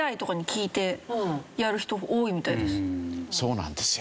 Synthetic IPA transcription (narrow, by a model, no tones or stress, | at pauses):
ait̪o̞kaɲ̟ikʲiːt̪e̞jaɾɯ̟çi̥t̪o̞ʔoːimʲit̪aid̪e̞sɨ̥so̞ːnã̰nd̪esɨ̥